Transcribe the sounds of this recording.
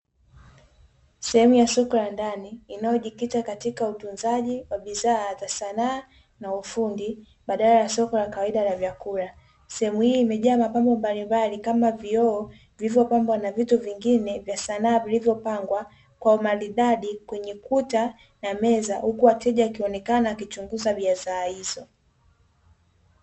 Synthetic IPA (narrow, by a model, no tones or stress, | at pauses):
sɛhɛmujasɔkɔlandaniːnajɔʄikitakatikautunzaʄiwaɓiðaːzasanaː | naufundi | ɓaɗalajasɔkɔlakawaiɗalavjakuɾa | sɛhɛmuhiːmɛʄaːmapambɔmbalimbalikamaviɔː | vilivjɔpambwanavituviŋɡinɛvjasanaːvilivjɔpaŋɡwa | kwaumaliɗaɗikwɛɲɛkuta | namɛzahukuwatɛʄaːkiɔnɛkanaːkit͡ʃuŋɡuzaɓiazaːhizɔ